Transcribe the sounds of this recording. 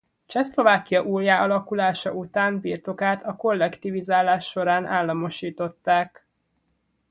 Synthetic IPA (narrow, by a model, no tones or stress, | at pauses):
t͡ʃɛslo̞vaːkijɒʔuːljaːʔɒlɒkulaːʃɒ̰ut̪aːmbirt̪o̞kaːt̪ʰɒko̞lːɛkt̪ivizaːlaːʃːo̞ɾaːnʔaːlːɒmo̞ʃiːt̪o̞t̪ːaːk